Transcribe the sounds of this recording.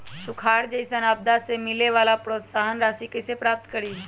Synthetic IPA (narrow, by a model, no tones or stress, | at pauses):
ʃʊkʰaːɾd͡ʒəɪsənaːb̚d̪asemɪleʋaːlapɾoːt̪saːɦənɾaːsikisepɾaːp̚t̪kəɾiː